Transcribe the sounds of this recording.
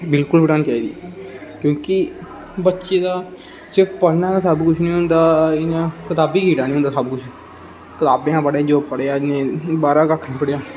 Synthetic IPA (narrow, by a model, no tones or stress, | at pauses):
bɪlkʊləʈãːnt͡ʃaːiːd̪ḭːkjõːkɪ | bətːʃeːd̪aː | sɪpəɽnãːasəbkʊt͡ʃʰnĩːʊnd̪aːɪnãːkət̪aːbiːkiːʈaːnĩːʊnd̪aːsəbkʊt͡ʃʰ | kɪt̪aːbẽːãːpəɽaːd͡ʒoːpəɽeaːnẽːbaːɾaːkəkʰnĩːpəɽejaː